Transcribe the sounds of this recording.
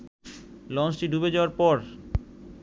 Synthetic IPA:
lɔnsʈiɖubed͡ʑaoaɾpɔɾ

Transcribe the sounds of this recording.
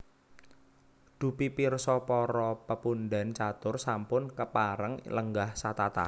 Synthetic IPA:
ɖ̪̥ṳpipirsɔpɔɾɔpəpunɖant͡ʃat̪ʊrsampʊnkəpaɾəŋləŋɡahsat̪at̪a̰

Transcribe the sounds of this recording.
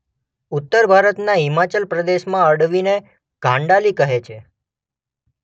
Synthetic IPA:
ut̪ːəɾbʱaɾət̪naɦimat͡ʃəlpɾəd̪eʃmãəɽʋine | ɡ̥ʱãɳɖalikəɦet͡ʃʰe

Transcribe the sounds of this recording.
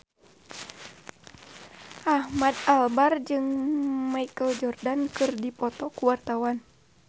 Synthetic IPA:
ʔahmad̚albard͡ʒɨŋmaikəld͡ʒɔrdankɨrdipɔt̪ɔkuwart̪awan

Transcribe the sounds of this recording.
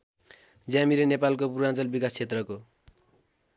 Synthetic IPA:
d͡zjamiɾenepalkopuɾant͡sʌlbikast͡sʰet̪rʌko

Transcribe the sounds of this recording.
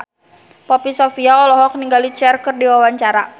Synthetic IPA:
pɔpisɔfiaɔlɔɦɔk̚niŋɡalit͡ʃɛrkɨrdiwawaɲt͡ʃaɾa

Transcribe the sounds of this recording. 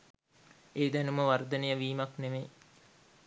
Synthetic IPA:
eːd̪ænuməʋaɾd̪ənejəʋiːmɐkneme

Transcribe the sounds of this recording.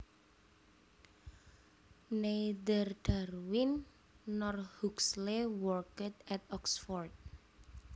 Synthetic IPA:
ned̪ərd̪̥arwinː | ɔrhukslewɔrkət̪ɛt̪̚ɔksfɔrt̪̚

